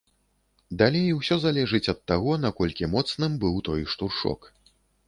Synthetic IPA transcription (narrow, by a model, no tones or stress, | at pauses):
d̪alʲejwsʲɔzalʲɛʐɨt͡sʲɐt̪ːaɣɔnakɔlʲkʲimɔt̪snɨmbɨwt̪ɔjʂt̪urʂɔ̰k